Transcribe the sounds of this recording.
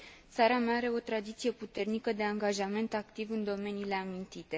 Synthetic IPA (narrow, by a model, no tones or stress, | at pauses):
t̪saɾamaaaɾe̞o̞t̪ɾad̪it̪sije̞put̪e̞rnikəd̪e̞aŋɡaʒame̞nt̪akt̪ivɨnd̪o̞me̞niːle̞amint̪it̪e̞